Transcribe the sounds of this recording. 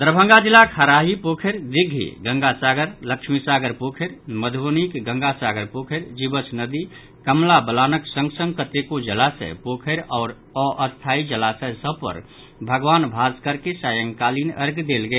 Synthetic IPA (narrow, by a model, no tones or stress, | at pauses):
d̪əɾbʱə̃ŋɡad͡ʒilːakʰaɾaɦipokʰeɾd̪iɡʱḭɡə̃ŋɡasaɡəɾləkʃmisaɡəɾpokʰeɾməd̪ʱʋonikɡə̃ŋɡasaɡəɾpokʰeɾd͡ʒibət͡ʃʰnəd̪i | kəmlabəlaːnəksə̃ŋɡsə̃ŋɡkət̪ekod͡ʒəlasə̰jpokʰəɾɔːɾ | ɔʔəst̪ʰaid͡ʒəlasəjsəbʱpə̰ɾ | bʱəɡʋaːnbʱaskəɾkesajəŋkalinə̰ɾɡd̪elɡeː